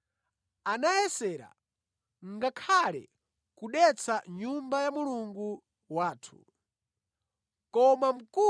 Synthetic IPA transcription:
anajɛsɛːɾa̰ | ŋɡakʰalɛ̰ | kuɗɛt͡sʰaɲumbajamuluŋɡu | waːtʰu̥̰ | kɔmam̩ku

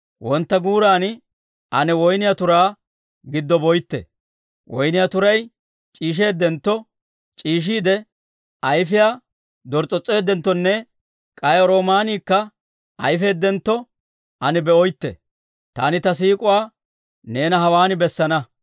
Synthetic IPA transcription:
wʔɔnt̪ːɐɡuːɾaːnɪ | ʔɐnɛwɔjnɪjat̪ʊɾaː | ɡɪd̪ːɔbɔjt̪ːɛ̰ | wʔɔjnɪjat̪ʊɾɐj | t͡ʃʼiːʃ̬e̞ːd̪ːɛnt̪ːɔ | t͡ʃʼiːʃ̬iːd̪ɛ | ɐjfɪjaː | d̪ɔɾt͡sʼːɔt͡sʼːe̞ːd̪ːɛnt̪ːɔnːɛ | kʼɐjɔɾo̞ːmaːniːkːɐ | ʔɐjfe̞ːd̪ːɛnt̪ːɔ | ʔɐnɪbɛɔjt̪ːɛ̰ | t̪a̰ːnɪt̪ɐs̬iːkʼʊwaː | ne̞ːnɐɦɐwaːnɪbɛsːɐnɐ

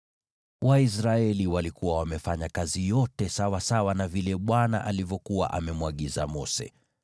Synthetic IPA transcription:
wʔais̬ɾaɛliwalikuwawamɛfaɲakazijɔtɛsawasawanavilɛɓwana̰ʔalivjɔkuwa̰ʔamɛmwaɠiza̰mɔsɛ̰

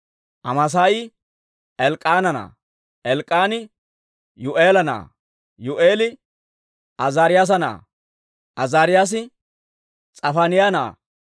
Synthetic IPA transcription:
ʔɐmɐs̬aːjɪ | ɛlkʼːaːnɐna̰ː | ʔɛlkʼːaːnɪ | jʊʔeːlɐna̰ː | jʊʔeːlɪ | ʔɐzaːɾɪjaːs̬ɐna̰ː | ʔɐzaːɾɪjaːs̬ɪ | t͡sʼɐfaːnɪjaːna̰ː

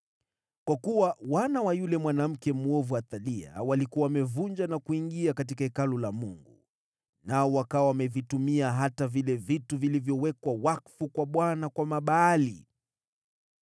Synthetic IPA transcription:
kwakuwawanawajulɛmwanam̩kɛmuɔvuaθalia̰walikuawamɛvund͡ʒanakuiŋɡiakatikaɛkalɔlamuŋɡu | naɔwakawawamɛvitumiaɦatavilɛvituvilivjɔwɛkwawakfukwaɓwanakwamaɓaːlḭ

